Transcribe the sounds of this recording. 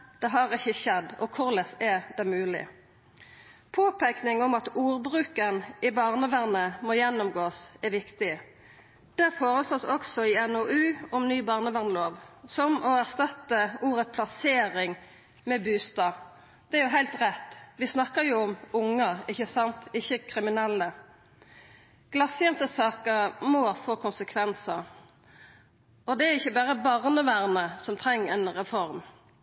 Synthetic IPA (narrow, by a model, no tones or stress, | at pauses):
d̪̥ɛɦɑʁɪçːəçɛd̪ːɔkʰʊʁlɛsɛd̪ɛmʉːlɪ̰ | pʰoːpʰæknɪŋɔmɑt̪uːʁbʁʉːkənɪbɑːʁnəʋæʁnəmɔjɛnːʊmɡoːsɛʋɪkt̪ɪ | d̪̥ɛfoːʁəsloːsɔksɔɪɛnoʔʉːɔmnyːbɑːʁnəʋæʁnəloːʋsɔmɔæʁst̪ɑt̪ːəuːɾəpʰlɑseːɾɪŋ | mɛbʉːst̪ɑː | d̪̥ɛæɾjʊɦæɪlt̪ʁɛt̪ːʋɪsnɑkːəɾjʊʊmʊŋːəɪçːəsɑnt̪ɪçːəkʰɾɪmɪnɛlːə | ɡ̥lɑsjɛnt̪əsɑːkəɾmoːfoːkʰʊnsəkʰʋɛnsə | ɔd̪ɛæʁɪçːəbæːʁəbɑʁnəʋæʁnəsɔmt̪ʰʁɛŋːəɛɪnɾɛfɔɾm